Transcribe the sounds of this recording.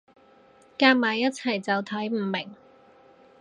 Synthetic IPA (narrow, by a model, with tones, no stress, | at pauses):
kaː˧k̚maː˨˧jɐ˥t̚t͡sʰɐ˨˩jt͡sɐ˨wt̪ʰɐ˨˥jm̩˨˧˩mɪ˨˩ŋ